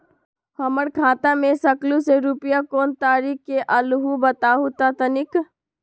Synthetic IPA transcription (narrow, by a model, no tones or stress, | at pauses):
hɐməɽkʰaːt̪amẽsɐkluseɾupɪjakoːnt̪aːɾiːkkːeʔɐlɦubɐt̪aːɦut̪at̪ənɪk